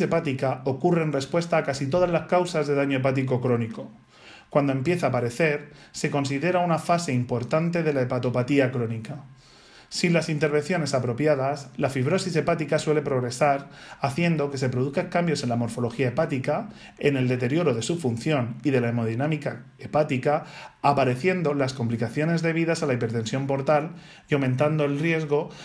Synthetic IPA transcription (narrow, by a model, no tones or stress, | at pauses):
e̞pat̪ikao̞kure̞ːnre̞spwe̞st̪aːkasit̪̬o̞ð̞azlaskawsazðe̞ð̞aɲo̞ep̬at̪̬ik̬o̞kɾo̞niko̞ | kwand̪oe̞mpje̞θaːpaɾe̞θe̞ɾ | se̞ko̞nsiðe̞ɾaunafase̞impo̞ɾt̪ant̪e̞ðe̞laepat̪o̞pat̪iakɾo̞nika | sinlasint̪e̞ɾβ̞e̞nθjo̞ne̞sapɾo̞pjaðaslafiβ̞ɾo̞sise̞pat̪ikaswe̞le̞pɾo̞ɣ̞ɾe̞saɾaθje̞nd̪o̞ke̞se̞pɾo̞ð̞uθkakambjo̞se̞nlamo̞ɾfo̞lo̞xiae̞pat̪ika | e̞ne̞ld̪e̞t̪e̞ɾjo̞ɾo̞ðe̞sufun̟θjo̞niðe̞laemo̞ðinamika | epat̪ikaːpaɾe̞θje̞nd̪o̞lasko̞mplikaθjo̞ne̞zðe̞β̞iðasalaipe̞ɾt̪e̞nsjo̞mpo̞ɾt̪al | iawmẽnt̪̬and̪o̞e̞lrje̞zɣ̞o̞